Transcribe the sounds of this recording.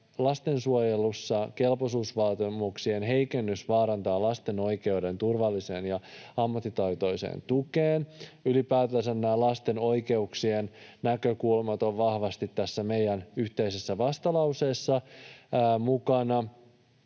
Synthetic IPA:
lɑst̪e̞nsuojelusːɑke̞lposuːsʋɑːt̪imuksienɦe̞jke̞nːysʋɑːɾɑnt̪ɑːlɑst̪e̞no̞jke̞ude̞nt̪urʋɑlːise̞ːnjɑɑmːɑt̪ːit̪ɑjt̪o̞jsḛːnt̪ukeːnylipæːt̪æsænːæːlɑst̪e̞no̞jke̞uksiennækøkulmɑt̪o̞ʋʋɑhʋɑst̪it̪ːæsːæme̞jænyht̪e̞isesːæʋɑst̪ɑlɑwse̞ːsːɑ | mukɑnɑ

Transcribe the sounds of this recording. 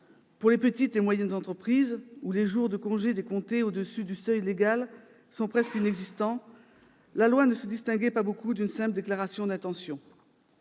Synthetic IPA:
puʁlepət̪it̪emwajɛnzɑ̃t̪χəpχizuleʒuʁd̪əkɔ̃ʒed̪ekɔ̃t̪eod̪əsyd̪ysœjleɡal | sɔ̃pχɛskinɛɡzist̪ɑ̃ | lalwanəsəd̪ist̪ɛ̃ɡɛpabokud̪ynsɛ̃pld̪eklaʁasjɔ̃d̪ɛ̃t̪ɑ̃sjɔ̃

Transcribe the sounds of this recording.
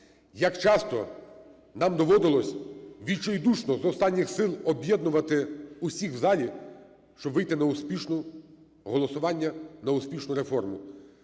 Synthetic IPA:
jɐkt͡ʃɑst̪ɔ | nɑmd̪ɔʋɔd̪ɪlˠɔsʲʋʲilʲt͡ʃɔjd̪uʃnɔzɔwst̪ɑnʲːɪxsɪlˠɔbʲjɛd̪nʊʋɐt̪ɪusʲixwzɑlʲi | ʃt͡ʃɔbʋɪjt̪ɪnɐʊspʲiʃnʊ | ɦɔlˠɔsʊʋɑnʲːɐnɐʊspʲiʃnʊɾefɔrmʊ

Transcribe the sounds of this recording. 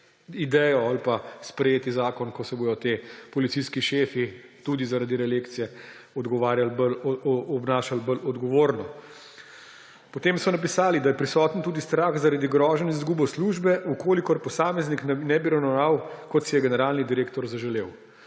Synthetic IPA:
id̪ɛjɔalpaspɾɛjeːt̪izaːkɔnkɔsɛboːjɔt̪eːpɔlit̪siskiʃeːfit̪ud̪izaɾad̪iɾɛleːkt̪sijɛ | ɔd̪ɡɔʋaːɾjalbəlɔbnaːʃalbəlɔd̪ɡɔʋoːɾnɔ | pɔt̪eːmsɔnap̬isaːlid̪ajɛpɾisɔːt̪nt̪uːd̪ist̪ɾaxzaɾaːd̪iɡɾɔːʒɛniizɡuːbɔsluːʒbɛukoːlikɔɾpɔsaːmɛzniknɛnɛbiɾɐwnɔwnawkɔt̪sijɛɡɛnɛɾaːlnid̪iɾeːkt̪ɔɾzaʒɛleːw

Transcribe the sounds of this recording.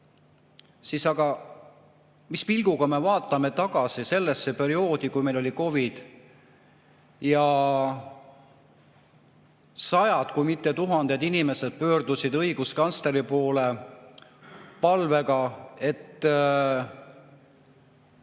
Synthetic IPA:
sisɑɡɑ | mispilɡ̥uɡ̥ɑme̞vɑːt̪ˑːɑme̞t̪ɑɡ̥ɑsise̞lːesːe̞pe̞ɾio̞ːd̪ikujmelo̞lʲiko̞vid̪̥ | jɑ | sɑjɑd̪̥kujmit̪ːet̪uɦɑnd̪̥e̞d̪inime̞sed̪̥̚pø̞ːrd̪̥usid̪ɤjɡ̥uskɑnst̪e̞ɾipo̞ːle̞ | pɑlve̞ɡɑe̞t̪ːˑ

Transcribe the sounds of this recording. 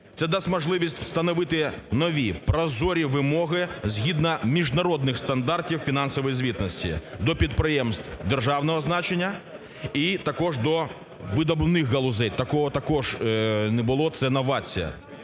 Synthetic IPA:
t̪sɛd̪ɑsʲtʲmɔʒlˠɪʋʲisʲtʲw̥st̪ɐnɔʋɪt̪ɪnɔʋʲipɾɐzɔɾʲiʋɪmɔɦɪzʲɦʲid̪nɐmʲiʒnɐɾɔd̪nɪxst̪ɐnd̪ɑrtʲiwfʲinɑnsɔʋɔjizʲʋʲit̪nɔsʲtʲḭd̪ɔpʲid̪̚pɾɪjɛmst̪wd̪erʒɑwnɔɦɔznɑt͡ʃenʲːɐ | it̪ɐkɔʒd̪ɔ | ʋɪd̪ɔblˠɪnɪxɡɐlˠʊzɛjt̪ɐkɔɦɔt̪ɐkɔʒnɛbʊlˠɔt̪sɛnɐʋɑt͡sʲḭjɐ̰

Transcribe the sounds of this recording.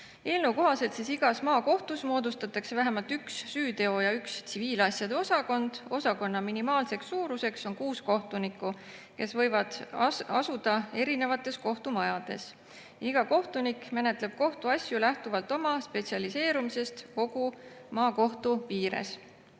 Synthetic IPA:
e̞ːlnewko̞ɦɑse̞lt̪sisiɡ̥ɑsmɑːko̞ht̪usmo̞ːd̪ust̪ɑt̪ːˑɑkse̞væɦemɑlt̪yksːyːd̪e̞o̞jɑykst̪siviːlɑsjɑd̪̥e̞o̞sɑko̞nd̪̥o̞sɑko̞nːɑminimɑːlse̞ksːuːɾuse̞kso̞nkuːsko̞ht̪unikːˑu | ke̞svɤ̞jvɑd̪̥ɑsud̪̥ɑe̞ɾine̞vɑt̪ːˑe̞sko̞ht̪umɑjɑd̪̥e̞̰s | jiɡ̥ɑko̞ht̪unikmene̞t̪ˑle̞b̥̚ko̞ht̪uɑsʲjulæht̪uvɑlt̪ːˑo̞mɑspe̞t̪siɑlise̞ːɾumise̞st̪ko̞ɡ̥umɑːko̞ht̪uviːɾḛs

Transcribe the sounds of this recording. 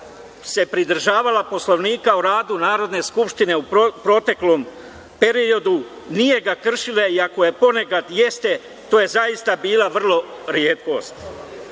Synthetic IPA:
se̞pɾid̪r̩ʒaːʋalapo̞slo̞ʋniːkauɾaːd̪unaːɾo̞d̪ne̞skupʃt̪ine̞upɾo̞t̪e̞klo̞m | pe̞ɾio̞d̪u | nije̞ɡakr̩ʃileiako̞je̞po̞ne̞kad̪je̞st̪e̞ | t̪oːje̞zaist̪abiːlaʋr̩lˠo̞ɾjeːt̪ko̞̰ːst̪

